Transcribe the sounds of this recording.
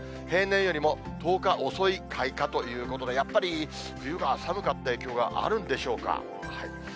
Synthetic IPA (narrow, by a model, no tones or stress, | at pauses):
he̞ːnːẽ̞ɰ̃jo̞ɾʲimo̞ | t̪o̞ːkaʔo̞so̞ikʰaikat̪o̞jɯ̟ːko̞t̪o̞d̪e̞japːaɾʲi | ɸɯ̟jɯ̟ɡasabɯ̟kat̪ːae̞ːkʲo̞ːɡa̰ʔa̰ɾɯ̟̃nd̪e̞ɕo̞ːka̰ | hai